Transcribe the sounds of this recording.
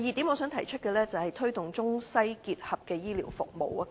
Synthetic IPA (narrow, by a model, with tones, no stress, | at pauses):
jiː˨˩t̪iː˨˥mo˨˧˥sœː˨˥ŋt̪ʰɐ˨˩jt͡ʃʰɵ˥t̚kɛː˧lɛː˥t͡sɐ˨whɐ˨jt̪ʰɵ˥ɥt̪ʊ˨ŋt͡sʊ˥ŋsɐ˥jkiː˧t̚hɐ˨p̚kɛː˧jiː˥liː˨˩wfʊ̰˨k̚mo˨wɐ˧